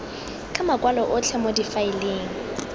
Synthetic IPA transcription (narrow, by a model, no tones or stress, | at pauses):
kʼamakʼwalɔʔʊt͡ɬʰɛmodifaɪleːŋ̩